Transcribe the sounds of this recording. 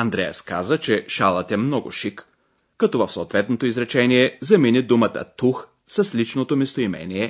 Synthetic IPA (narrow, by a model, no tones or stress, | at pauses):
ɐnd̪ɾɛjəska̰zət͡ʃɛʃalˠət̪ɛmnɔɡʊ̰ʃikː | ɐt̪ɔvɐfsoːt̪vɛt̪not̪oizɾɛt͡ʃɛniɛzɐminʲid̪umət̪ə̰t̪ux | səslit͡ʃnot̪omist̪oimɛ̰nʲiɛ